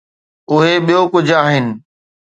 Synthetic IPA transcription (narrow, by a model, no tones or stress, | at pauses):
ʊɦeɓijokʊd͡ʑʱaːɦɪnɪ̆